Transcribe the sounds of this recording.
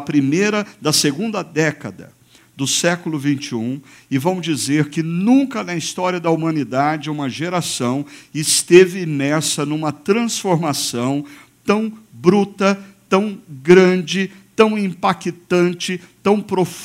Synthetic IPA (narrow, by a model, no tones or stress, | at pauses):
ɐpɾimejɾɐd̪ɐseɡũnd̪ɐd̪ɛkɐd̪ɐ̰ | d̪ʊsɛkʊlʊvĩnt͡ʃɪũɪvɐ̃m̃ʊzd͡ʒizeɾkɪnũkɐnɐist̪ɔɾiɐd̪ɐumɐ̃nid̪ad͡ʒɪũmɐʒeɾasɐ̃w̃ɪst̪evɪimɛɾsɐnũmɐt̪ɾɐ̃sfoɾmasɐ̃w̃t̪ɐ̃w̃bɾut̪ɐt̪ɐ̃w̃ɡɾɐ̃d͡ʒɪt̪ɐ̃w̃ĩpakit̪ɐ̃nt͡ʃɪt̪ɐ̃w̃pɾof